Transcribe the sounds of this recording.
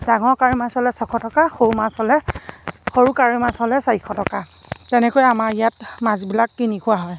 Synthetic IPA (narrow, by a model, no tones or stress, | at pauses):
daŋɔɹkaɹimasɔlɛsɔkʰɔtɔkaxowumashɔlɛ | xoɹukaɹimasɔlɛsajkʰɔtɔka | tɛnɛkojamaɹijatmazbilakːinikʰʊwaɦɔj